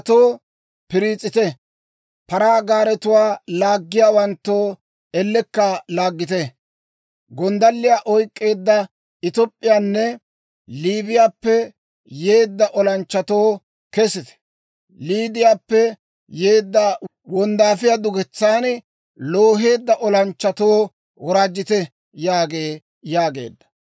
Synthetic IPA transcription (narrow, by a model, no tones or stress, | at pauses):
t̪oː | pɪɾiːt͡sʼːɪt̪ɛ | pɐɾaːɡaːɾɛt̪ʊwaːlaːɡːɪjaːwɐnt̪ːoː | ɛlːɛkːɐlaːɡːɪt̪ɛ | ɡɔnd̪ɐlːɪjaːʔɔjkʼːe̞ːd̪ːɐ | ɪt̪ɔpʼːɪjaːnːɛ | liːbɪjaːpːɛ | je̞ːd̪ːɐʔɔlɐnt͡ʃːɐt̪o̞ː | kɛsɪt̪ɛ̥ | liːd̪ɪjaːpːɛ | jeːd̪ːɐ | wɔnd̪aːfɪjad̪ʊɡɛt͡sːaːn | loːɦe̞ːd̪ːɐʔɔlɐnt͡ʃːɐt̪o̞ː | wɔɾaːd͡ʒːɪt̪ɛ | jaːɡe̞ː | jaːɡe̞̰ːd̪ːɐ̥